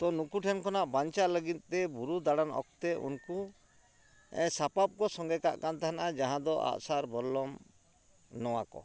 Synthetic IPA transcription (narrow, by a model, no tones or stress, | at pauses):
t̪ɔnukuʈʰɛnkɔnaʔbaɲt͡ʃaʔləɡit̪̚ˀt̪ɛbuɾud̪aɽanɔ̰k̚t̪ɛʔṵnku | ɛ̰sapap̚kɔsɔŋɡɛkaʔkant̪aɦanaʔad͡ʒaɦãd̪ɔʔa̰ʔsaɾbɔɾlɔm | nɔwakɔ̰